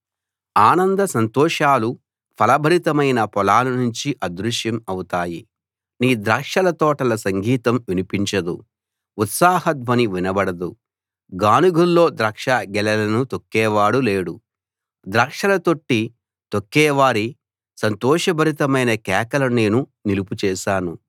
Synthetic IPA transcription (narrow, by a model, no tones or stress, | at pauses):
aːnɐnd̪ɐsɐnt̪ɔːʂaːlu | pʰɐlɐbʱɐɾit̪ɐmɐjnɐpɔlaːlunuɲt͡ʃiʔɐd̪ɾuʃjɐmɐwut̪aːji | niːd̪ɾaːkʂɐlɐt̪ɔːʈɐlɐsɐŋɡʱiːt̪ɐmʋinipiɲt͡ʃɐd̪ṵ | ut̪saːhɐt̪ʋɐniʋinɐbɐɽɐd̪u | ɡaːnuɡʱulːo̞ːd̪ɾɐkʂaɡɛlɐlɐnut̪okːɛːʋaːɽuleːɽu | d̪ɾaːkʂɐlɐt̪o̞ʈːi | t̪okːɛːʋaːɾi | sɐnt̪ɔːʂɐbʱɐɾit̪ɐmɐjnɐkɛːkɐlɐne̞ːnuniluput͡ʃɛːʃaːnu